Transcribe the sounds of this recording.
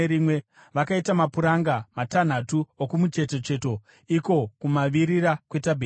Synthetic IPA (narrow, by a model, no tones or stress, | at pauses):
ɾimwe̞ | ʋakaitamapuɾaŋɡamatan̤atuokumut͡ʃe̞te̞t͡ʃe̞to̞ | iko̞kumaʋiɾiɾakwe̞tabʱe